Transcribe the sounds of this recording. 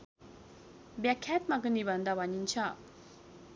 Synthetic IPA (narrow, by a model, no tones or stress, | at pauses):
bɛkʰɛt̪̚makəniband̪awaɲint͡ɕʰaʔ